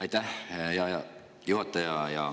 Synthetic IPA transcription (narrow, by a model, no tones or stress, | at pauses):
ɑjt̪æhjɑjɑ | juɦɑt̪ːˑɑjɑjɑ